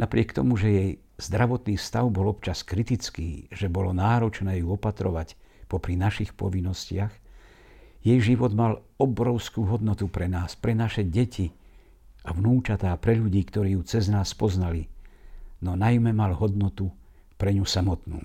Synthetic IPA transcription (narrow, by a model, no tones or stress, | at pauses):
napɾɪɛkt̪ɔmuʒɛjɛj | z̥d̪ɾaʋɔt̪niːfst̪aʊbɔlɔpt͡ʃaskɾit̪it͡skiːʒɛbɔlɔnaːɾɔt͡ʃnɛːjuɔpat̪ɾɔʋacpɔpɾinaʃixpɔ̰ʋinːɔscɪax | jɛjʒiʋɔd̪mal | ɔbɾɔʊskuːɦɔd̪nɔt̪upɾɛnaːspɾɛnaʃɛɟɛcʰi | aʋnuːt͡ʃat̪aːpɾɛʎuɟiːkt̪ɔɾiːjut͡sɛznaːspɔznali | nɔnajmɛmalɦɔd̪nɔt̪u | pɾɛɲusamɔt̪nṵː